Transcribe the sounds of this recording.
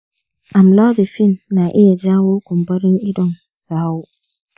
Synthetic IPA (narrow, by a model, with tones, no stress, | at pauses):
ã˨m˨la˦dɪ˨fĩ˦nːã˨ʔɪ˦jɛ˨d͡ʑã˦wo˦kʰʊ̃˨m˨bɔ˦ɾɪ̃˦ni˦dɔ̃˨n | saː˨˦wʊ˦